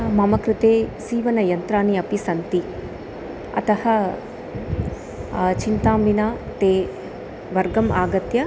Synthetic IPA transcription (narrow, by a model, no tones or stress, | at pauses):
mɐmɐkɾɪt̪eːsiːʋɐnɐjɐnt̪ɾaːniɐpisɐnt̪i | ɐ̰t̪ɐhɐ | t͡ʃint̪aːmbinaːt̪eː | ʋɐɾɡɐmaːɡɐt̪jɐ